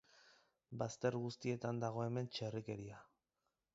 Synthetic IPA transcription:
bast̪e̞ɾɣust̪ie̞t̪and̪aɣ̞o̞e̞me̞nt͡ʃe̞rike̞ɾia

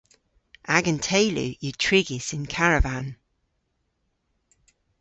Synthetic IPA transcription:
ʔaɡə̃ntʰeɪlʉ̰jətʰɹ̥ɪɡɪsɪ̃nkʰaɹəvãn

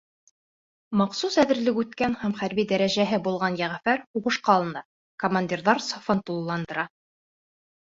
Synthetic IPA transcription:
mɑqsusæðɘ̆ɾlɘkʉt̪kænhæmχæɾbid̪æɾæʑæɦɘbulˠʁɑnjæʁfæɾuʁɤ̆ʃqɑːlˠɤ̆nɑ | komanʲd̪ʲirðɑɾsofɤnt̪ulˠlːˠɑnd̪ɤ̆ɾɑ

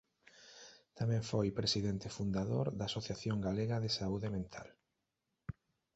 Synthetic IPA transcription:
t̪amɛ̃ɱfojpɾesiðent̪ɪfund̪aðoɾðasoθjaθjoŋɡaleɣɐðesauðemẽnt̪ʰa̰l

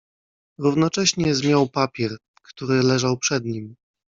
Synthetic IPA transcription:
ɾuvnɔt͡ʂɛɕɲɛzmʲjawpapʲjɛɾ | kt̪uɾɘlɛʐawpʂɛd̪ɲim

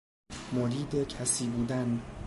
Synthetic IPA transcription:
moɾiːd̪ecʰæsiːbuːd̪æn

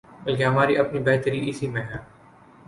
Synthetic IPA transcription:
bɐlkeɦɐmaːɾiʔɐpnibɛɦt̪əɾiɪsiːmẽɦɛ̃ː

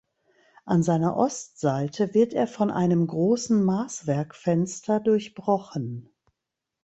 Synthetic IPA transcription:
ʔanzaɪnɐ̰ʔɔstz̥aɪtʰəvɪɐteːɐfɔnʔa̰ɪnəmɡʁoːsn̩maːsv̥ɛɐkfɛnstʰɐdʊɐçb̥ʁɔχən

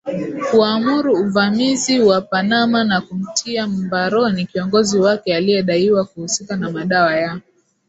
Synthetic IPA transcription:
kuamuɾuːvamiziwapanamanakum̩tʰiam̩baɾɔnikiɔŋɡɔziwakɛalijɛɗaiwakuhusikanamaɗawajaɔ

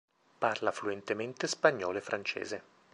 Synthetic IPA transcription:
parlafluent̪ement̪espaɲːɔːlefɾʔant͡ʃḛːze

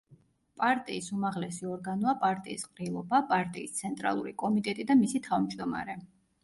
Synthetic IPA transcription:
pʼaɾt̪ʼiːsumaʁlɛsiɔɾɡanɔapʼaɾt̪ʼiːsqʼɾilˠɔbapʼaɾt̪ʼiːst̪sʰɛnt̪ʼɾa̰lˠṵɾikʼɔmit̪ʼɛt̪ʼid̪amisit̪ʰavmd͡ʒd̪ɔma̰ɾɛ

